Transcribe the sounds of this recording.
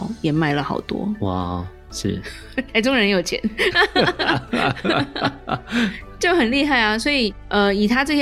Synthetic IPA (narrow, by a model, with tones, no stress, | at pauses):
ʊjɛ˨˩ma˥˩ɪlə˨xɑ̰˨˩ʊt̪wɔ̰˥wa̰˥˩ | ʂ̩˥˩ | t̪ʰa˥˩ɪʈ͡ʂʊ˥ŋɻə˧˥njo˨˩ʊt͡ɕʰjɛ̰˧˥n | t͡ɕjo˥˩xə˨˩nli˥˧xa˥˩ɪɐ˩swɔ˧˥i˨˩ʔə˧i˨˩t̪ʰa˥ʈ͡ʂɤ˥˩ɕjɛ˥